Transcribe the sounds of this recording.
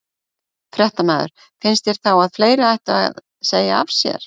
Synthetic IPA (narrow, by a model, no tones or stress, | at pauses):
fɾɛht̪amaːðʏ̰ɾ̥ | fɪnst̪jɛɾ̥θawaðfleːjɾɪajht̪aa̰ð | seːjaa̰v̥sjɛ̰ɾ̥